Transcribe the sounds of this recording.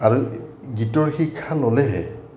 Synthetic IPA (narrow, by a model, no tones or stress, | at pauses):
aɹu | ɡitɔɹxikʰːalolɛɦɛ̰